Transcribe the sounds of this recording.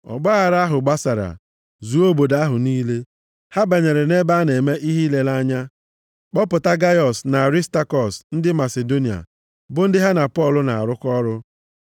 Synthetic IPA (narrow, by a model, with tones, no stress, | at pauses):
ɔ̰˨ɡ͡ba˦a˨ɾa˦ɦʊ˨ɡ͡ba˦sa˨ɾa̰˨ | zu˨o˦bo˨da˦ɦʊ˨niː˦le˦ | ha˦be˨ɲe˨ɾe˨ne˦ba˦ne˨me˦ʔi˦ɦi˦le˦la˦ɲa˦ | k͡pɔ˦pʊ˨ta˦ɡa˦jɔ˨sna˨ɾi˦sta˦kɔ˨sn̩˦dɪ˦ma˨se˨do˦ni˨a̰˨ | bʊ˦n̩˦dɪ˦ɦa˦na˨pɔ˦˨lʊ˨na˨a̰˨ɾʊ˦kɔ˦ɾʊ˦